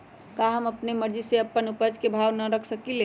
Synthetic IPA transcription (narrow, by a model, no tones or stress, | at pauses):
kaɦəməpneməɾd͡ʒiseəpːənupəd͡ʒkebʱawnəɾəkʰsəkile